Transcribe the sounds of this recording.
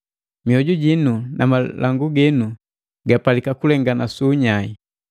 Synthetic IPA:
miɔɟuɟinunamalaŋɡuɡɛnu | ɡapalikakulɛŋɡanasuːɲai

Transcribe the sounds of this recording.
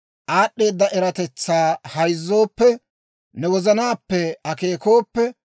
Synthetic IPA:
ʔaːɗːe̞ːd̪ːɐʔɛɾɐt̪ɛt͡sːaːhɐjzːo̞ːpːɛ | nɛwɔzɐnaːpːɛɐke̞ːko̞ːpːɛ

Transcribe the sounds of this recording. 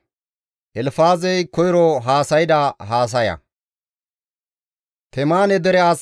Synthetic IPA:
ʔɛlfaːzɛjkɔjɪɾɔɦaːsɐjɪd̪ɐɦaːs̬ɐjɐ̰ | kɛmaːnɛd̪ɛɾɛaːs

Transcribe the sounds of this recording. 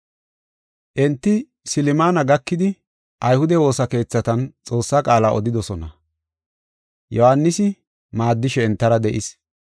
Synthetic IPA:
ʔɛnt̪ːɪ | sɪlɪmaːnɐɡɐkːɪd̪ɪ | ʔɐjhʊd̪ɛwo̞ːsɐke̞ːt͡sːɐt̪ɐnt͡sʼo̞ːsːakʼaːlaːʔɔd̪ɪd̪ɔsɔnɐ | jɔhanːɪsɪ | maːd̪ːɪʃɛːnt̪ːɐɾɐd̪ɛʔɪs

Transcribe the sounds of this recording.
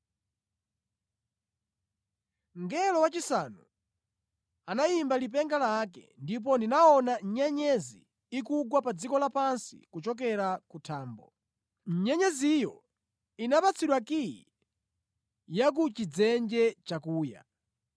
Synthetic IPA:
ŋɡɛlɔwat͡ʃisanu | anajimbalip̬ɛŋɡalakɛ̰ndip̬ɔndinaɔnaɲɛɲɛzḭː | kuɡwapad͡zikɔlapansḭkut͡ʃɔk̬ɛɾakutʰaːmbɔ̰ | ɲɛɲɛzijɔ | inapat͡sʰiɗwakiḭ | jak̬ut͡ʃid͡zɛnd͡ʒɛt͡ʃakuːja̰

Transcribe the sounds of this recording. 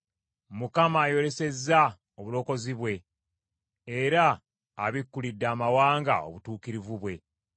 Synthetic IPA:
mukamaːjo̞ɾe̞se̞zːa | oβulo̞ːko̞ziβwe̞ | ɾa̰ː | βikːulidːaːmawaːŋɡa̰o̞̰βutuːkiɾivuβwe̞

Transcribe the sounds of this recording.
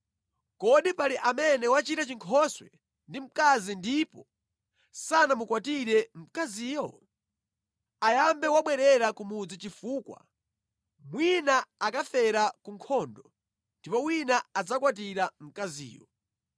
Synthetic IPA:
kɔɗipaliʔamɛnɛwat͡ʃitat͡ʃiŋkʰɔswɛ̰ | ndim̩kazindipɔ | sanamukwatiɾɛm̩kaziːjɔ | ajambɛwaɓwɛɾɛɾakumud͡zit͡ʃifuːkwa̰ | mwinaakafɛɾakuŋkʰɔːndɔ | ndipɔwinaad͡zakwat̬iɾam̩kazḭːjɔ̰

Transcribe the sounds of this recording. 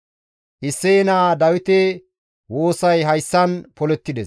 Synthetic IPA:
ʔɪsːenaːd̪ɐwɪt̪ɛ | wo̞ːsɐjɦɐjsːɐnpɔlɛt̪ːɪd̪ɛs

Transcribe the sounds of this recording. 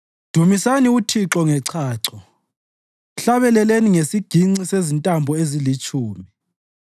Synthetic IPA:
d̥ʱumisaniutʰiǁɔŋɛǀʰaːǀɔ | ɬaβɛlɛleniŋesiɡ̥ʱiŋ͡ǀisezintʼambʱɔezilit͡ʃʼuːmi

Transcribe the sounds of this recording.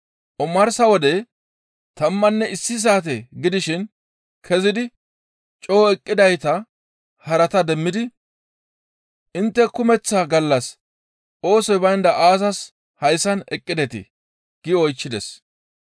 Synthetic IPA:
ʔɔmɐɾsɐwɔd̪ɛ | t̪ɐmːɐnːɛɪsːɪs̬aːt̪̬ɛɡɪd̪ɪʃɪn | kʰɛzɪd̪ɪ | t͡ʃʼo̞ːɛkʼːɪd̪ɐjt̪ɐ | hɐɾɐt̪ɐd̪ɛmːɪd̪ɪ | ʔɪnt̪ːɛkʊmɛt͡sːaːɡɐlːɐs | ʔo̞ːsɔjbɐjnd̪ɐʔaːs̬ɐs | hɐjsɐnɛkʼːɪd̪ɛt̪ɪ̰ | ɡ̥ɪɔjt͡ʃːɪd̪ɛs

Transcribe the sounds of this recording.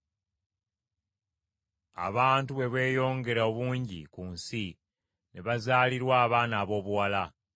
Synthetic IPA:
a̰βaːntuβe̞βe̞ːjo̞ːŋɡe̞ɾao̞βuːɲɟḭkunsi | ne̞βazaːliɾwaːβaːnaːβo̞ːβuwala

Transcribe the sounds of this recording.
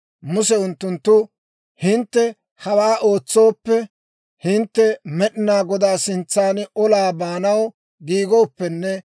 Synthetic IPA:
mʊsɛʊnt̪ːʊnt̪ːʊ | hɪnt̪ːɛ | hɐwaːʔo̞ːt͡sːo̞ːpːɛ | hɪnt̪ːɛmɛɗɪnaːɡɔd̪aːsɪnt͡sːaːnɔlaːbaːnɐw | ɡiːɡo̞ːpːɛnːɛ

